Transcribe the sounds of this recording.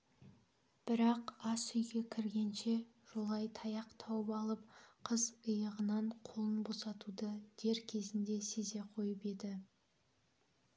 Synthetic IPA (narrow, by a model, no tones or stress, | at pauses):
b̥ɪɾɑqɑsʏjɡʲe̞kʲʰɪɾɡʲe̞nʃe̞ | ʒ̥olˠɑjt̪ʰɑjɑqt̪ʰɑwəpɑlˠəp̚qʰəzəjəʁənɑɴqʰolˠənbo̞sɑt̪ud̪əd̪̥e̞ɾkʲʰe̞zɪnd̪e̞se̞ze̞qʰo̞jəpe̞d̪ɪ